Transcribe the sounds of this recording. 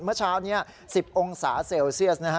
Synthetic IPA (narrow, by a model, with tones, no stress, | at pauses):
mɯ˥˩ɐt͡ɕʰaː˦˥wni˦˥ɐ | si˨˩p̚ʔo˧ŋsa̰ː˩˦seː˧wsi˥˩əs̚na˦˥kʰa˦˥